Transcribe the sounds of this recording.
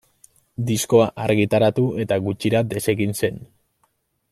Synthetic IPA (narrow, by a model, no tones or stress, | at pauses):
d̪isko̞aʔaɾɣit̪aɾat̪ue̞t̪aɣut͡ʃiɾad̪e̞se̞ɣinse̞n